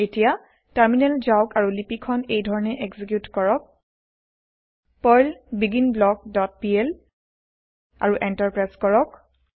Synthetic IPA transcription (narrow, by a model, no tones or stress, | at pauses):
etija | taɹminɛlzaʊkaɹulipikʰɔnejdʱɔɹɔnɛʔeɡzik̬jutkɔɹɔk̚ | pɔjlbiɡinblɔɡ̚dɔt̚piɛl | a̰ɹuʔɛntaɹpɹajskɔɹɔk̚